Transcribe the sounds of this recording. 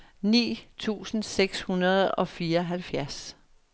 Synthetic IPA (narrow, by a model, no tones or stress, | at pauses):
nḭːt͡sʰṵːsn̩seɡ̥shunɐð̞̩ˠɒ̽fiːɐɒɦælfjæɐs